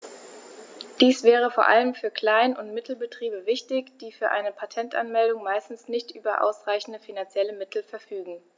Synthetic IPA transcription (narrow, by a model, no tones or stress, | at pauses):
d̥iːsv̥ɛːʁ̞əfoːɐʔa̰ləmfyːɐkl̥aɪnʊntmɪtʰl̩bətʁ̥iːbəvɪçtɪçd̥iːfyːɐʔa̰ɪnəpʰatʰɛntʔa̰nmɛldʊŋmaɪstn̩snɪçtʔyːbɐʔa̰ʊsʁaɪçn̩dəfinant͡sjɛləmɪtʰl̩fɛɐfyːɡŋ̩